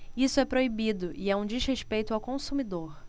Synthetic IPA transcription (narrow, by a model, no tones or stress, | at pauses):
isʊɛpɾoibid̪ʊʔiɛũd͡ʒizheʃpejt̪ʊawkõsumid̪oɾ